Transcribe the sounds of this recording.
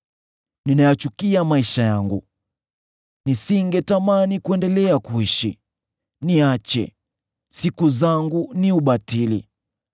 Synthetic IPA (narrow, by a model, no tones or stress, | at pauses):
ninajat͡ʃukiamaiʃajaŋɡu | nisiŋɡɛtamanikuɛndɛlɛakuiʃḭ | niat͡ʃɛ̰ | sikuzaŋɡuniuɓatilḭ